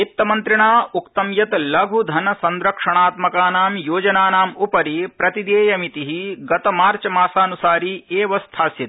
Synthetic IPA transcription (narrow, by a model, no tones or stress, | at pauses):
it̪ːɐmɐnt̪ɾiɳaːukt̪ɐmjɐt̪lɐɡʱud̪ʱɐnɐsɐnd̪ɾɐkʂɐɳaːt̪mɐkaːnaːmjoːd͡ʒɐnaːnaːmupɐɾipɾɐt̪id̪eːjɐmit̪iɦiɡɐt̪ɐmaːɾt͡ʃɐmaːsaːnusaːɾieːʋɐst̪ʰaːsjit̪